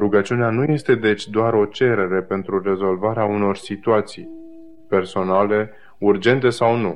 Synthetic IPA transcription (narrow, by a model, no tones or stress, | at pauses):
ɾuɡət͡ʃiuneanuje̞st̪e̞d̪e̞t͡ʃʲd̪oaɾo̞t͡ʃe̞ɾe̞ɾe̞pe̞nt̪ɾure̞zo̞lvaɾeauno̞rsit̪uat̪sij | pe̞rso̞nale̞ | urd͡ʒe̞nt̪e̞sawnu